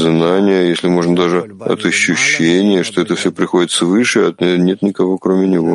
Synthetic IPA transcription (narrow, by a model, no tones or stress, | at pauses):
znanʲɪjəjesʲlʲɪmo̞ʐnəd̪aʐɨɐ̰t̪ɐɕːʉɕːenʲɪjəʂt̪o̞ɛt̪əfsʲɵpɾʲɪxo̞dʲɪt̪svɨʂɨɐt̪ʲenʲe̞t̪nʲɪkɐvo̞kɾomʲɪnʲɪvo̞